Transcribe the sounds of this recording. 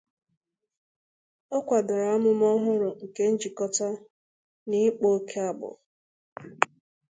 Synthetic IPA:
o˦kʷa˨dɔ˨ɾa˨a˦mʊ˦m˦ɔ˦ɦʊ˦ɾʊ˨ŋ̩˨ke˦n̩˦d͡ʒi˨kɔ˦ta˦ | ni˦k͡po˦kʰe˦a˦bʊ̰˨

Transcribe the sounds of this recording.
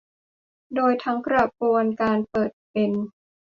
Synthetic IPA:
doː˧jt̪ʰa˦˥ŋkɾa˧pu˧ənkaː˧npɤː˨˩t̪̚pe˧n

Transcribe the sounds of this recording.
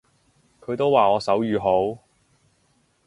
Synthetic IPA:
kʰɵ˨˧ɥt̪o˥waː˨ɔː˨˧sɐ˨˥wjyː˨˧ɦo˨˥w

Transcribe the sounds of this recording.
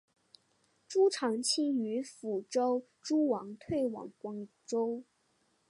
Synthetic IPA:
ʈ͡ʂu˥ʈ͡ʂʰɑ˧˥ŋt͡ɕʰi˥y˧˥fu˨˩ʈ͡ʂo˥ʊ | ʈ͡ʂu˥wɑ˧˥ŋt̪ʰwe˥˩ɪwɑ̰˨˩ŋkwɑ˥ŋ | ʈ͡ʂo˥ʊ

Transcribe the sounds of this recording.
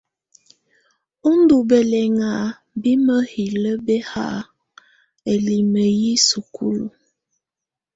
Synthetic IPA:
u˦n˦du˨be˨lɛ˨ŋa˨ | bi˦mə˦hi˨lə˦bɛ˦ha̰˦˨ | e˨li˨mə˨ji˦su˨kʰu˦lu˨

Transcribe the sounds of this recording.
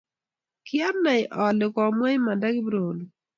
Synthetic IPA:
kɪ˦a˦na˨ɪ˨ʔɔ˨lɪ˨kɔ˨mwɛ˦jma˨da˦ɡɪ˦bɾo˨l

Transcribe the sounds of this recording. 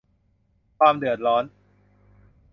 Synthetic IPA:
kʰwaː˧mdɯ˨˩ət̪̚ɾɔː˦˥n

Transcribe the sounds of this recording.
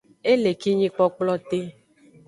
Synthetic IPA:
e˦le˨ki˦ɲĩ˦k͡pɔ˦k͡plɔ˦t̪e˦

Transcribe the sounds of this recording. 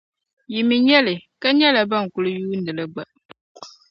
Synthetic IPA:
ji˨mi˨ɲɛ˦lɨ˨ka˦ɲɛ˦la˨ba˦˨ŋ̩˨kʊ˨lɨ˨juː˦n˨dɨ˨lɨ˦ɡ͡ba˨

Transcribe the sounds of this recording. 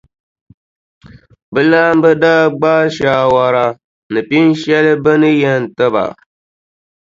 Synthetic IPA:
bɨ˦laː˦m˦bɨ˦daː˦ɡ͡baː˦ʃaː˨˦wa˨ɾa˦ | nɨ˨pi˦n˦ʃɛ˦lɨ˦bɨ˦nɨ˦jɛ˦n˨tɨ˦ba̰˨

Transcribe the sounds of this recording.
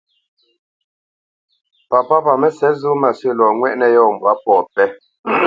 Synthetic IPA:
pa˨pa˦pa˨mɛ˦sɛ˨˦zu˦ma˨sɥə˦˨lɔː˨ŋwɛ˦ʔnɛ˦jɔː˦˨m̩˨bwa˨˦pɔ˨pɛ˦

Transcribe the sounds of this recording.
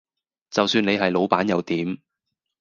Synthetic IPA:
t͡sɐ˨wsyː˧ne˨˧jɦɐ˨jlo˨˧wpaː˨˥njɐ˨˧wt̪iː˨˥m

